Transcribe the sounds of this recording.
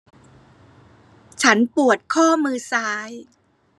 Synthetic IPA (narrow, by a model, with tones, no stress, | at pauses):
t͡ɕʰa˦˥npu˨˩ət̪̚kʰɔː˥˩mɯː˧saː˦˥j